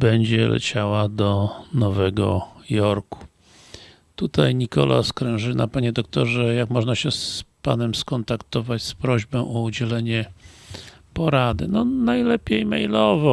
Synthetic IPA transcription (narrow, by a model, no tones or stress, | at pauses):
bɛɲd͡ʑɛlɛ̰t͡ɕawad̪ɔnɔvɛɡɔjɔɾku̥ | t̪ut̪ajɲikɔ̰lʔa̰skɾɛ̃w̃ʐɘnʔapaɲɛd̪ɔkt̪ɔʐɛjakmɔʐnaɕɛspanɛmskɔnt̪akt̪ɔvat͡ɕspɾɔʑbɔ̃ʔɔud͡ʑɛlɛɲɛ | pɔɾad̪ɘnɔnajlɛpʲjejmɛ̰jlɔvɔ